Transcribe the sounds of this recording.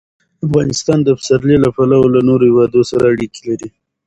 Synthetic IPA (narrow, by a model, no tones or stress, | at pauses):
afɣɑnɪst̪ɑnd̪əafsaɾlilapalawolanoɾohɪwɑd̪osaɾaːɽiki̥laɾi